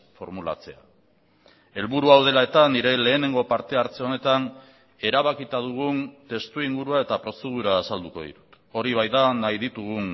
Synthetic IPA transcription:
fo̞̰ɾmula̰t͡se̞a̰ | e̞lβuɾuawð̞e̞lae̞t̪aniɾe̞le̞ːne̞ŋɡo̞paɾt̪e̞aɾt͡se̞o̞ne̞t̪an | e̞ɾaβakit̪aðuɣ̞unt̪e̞st̪uiŋɡuɾuae̞t̪apɾo̞se̞ð̞uɾaːsald̪uko̞̰ð̞ḭt̪u̥t̪ | o̞ɾiβajðanajðit̪uɣ̞un

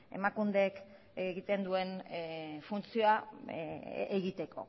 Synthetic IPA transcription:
e̞̰makund̪ek | eɣit̪e̞nd̪ue̞n | funt͡sioa | eɣit̪e̞kʰo̞̰

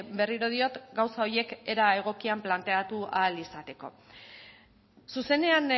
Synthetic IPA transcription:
be̞riɾo̞ð̞io̞t̪ɡawsao̞ɾje̞ke̞ɾae̞ɣ̞o̞kiamplant̪e̞at̪ualisat̪e̞ko̞̰ | suse̞ne̞an

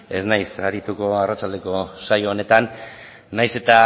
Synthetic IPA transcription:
e̞znajsaɾit̪uko̞arat͡ʃald̪e̞ko̞sajo̞ːne̞t̪anː | ajse̞t̪a

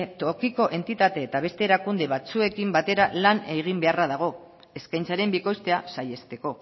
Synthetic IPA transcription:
t̪okiko̞ʔe̞nt̪it̪at̪e̞ːt̪aβ̞e̞st̪e̞ːɾakund̪e̞βat͡sue̞kimbat̪e̞ɾalane̞ɣ̞imbe̞araðaɣ̞o̞ | e̞skajnt͡saɾe̞mbiko̞st̪e̞asaje̞st̪e̞ko̞

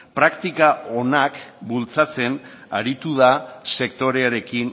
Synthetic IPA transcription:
pɾakt̪ikao̞nakbult͡sat͡se̞n | aɾit̪uðase̞kt̪o̞ɾe̞aɾe̞kin

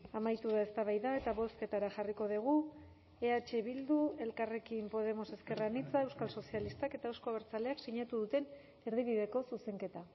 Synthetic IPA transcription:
amajt̪uðae̞st̪aβajðae̞t̪aβo̞ske̞t̪aɾaʝariko̞ð̞iɣ̞u | e̞at͡ʃe̞βild̪ue̞lkare̞kimpo̞ð̞e̞mo̞se̞ske̞ranit͡sae̞wskalso̞sialist̪ake̞t̪aewsko̞βeɾt͡sale̞aksiɲat̪uðut̪e̞n | eɾð̞iβiðe̞ko̞suse̞ŋke̞t̪a

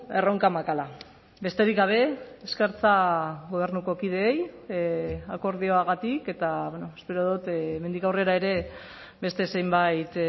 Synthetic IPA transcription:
e̞ro̞ŋkamakala | be̞st̪e̞ɾikɡaβ̞e̞eskeɾt͡saɣo̞β̞e̞ɾnuko̞kið̞e̞ːj | ako̞ɾð̞io̞aɣat̪ike̞t̪aβenoespe̞ɾoð̞ut̪ːme̞nd̪ikawre̞ɾaeɾe̞ | be̞st̪e̞se̞jmbajt̪

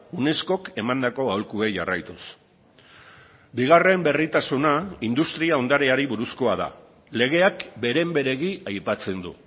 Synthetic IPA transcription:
une̞sko̞ke̞mand̪ako̞awlkue̞ʝarajt̪us | biɣare̞mbe̞rit̪asunaind̪ust̪ɾiao̞nd̪aɾeaɾiβuɾusko̞að̞a̰ | le̞ɣ̞e̞akbe̞ɾe̞mbe̞ɾe̞ɣiajpat͡se̞nd̪u

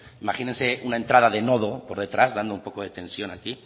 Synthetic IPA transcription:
imaxinense̞unae̞nt̪ɾað̞aðe̞no̞ðo̞poɾðet̪ɾazðand̪oumpo̞ko̞ð̞e̞t̪e̞nsjo̞naki

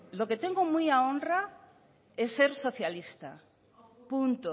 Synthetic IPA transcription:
loket̪eŋɡomujaõnra | esːeɾso̞θjalist̪a̰ | punt̪o

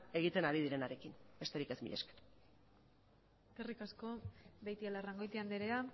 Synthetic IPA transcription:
e̞ɣ̞it̪e̞naɾiðiɾe̞naɾe̞kinbe̞st̪e̞ɾikezmḭʎeske̥ɾ | eskerikasko̞bejt̪ielaraŋɡo̞jt̪iand̪eɾea

